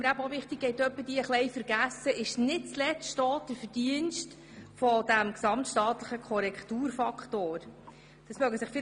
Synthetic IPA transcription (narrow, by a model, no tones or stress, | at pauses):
məɾæbəovɪχt̪ɪk̚ɡɛjtœpːəd̥iːəχlɛjfəɾɡ̥æsːəʔɪʃnɪt̚t͡slɛt͡sʃtɔːt̚d̥əɾfəd̥iənʃt | fɔd̥æmksɑmtʃtɑːtləχəkʰɔɾɛktuːɾfɑkχtoːɾ | d̥ɑsmœɡəsɪχfɪ